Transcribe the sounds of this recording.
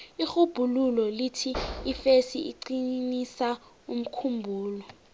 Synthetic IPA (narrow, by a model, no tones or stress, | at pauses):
ixub̥ʱululɔlitʰiːfesiḭǀinisa | um̩kʰumbʱuːlɔ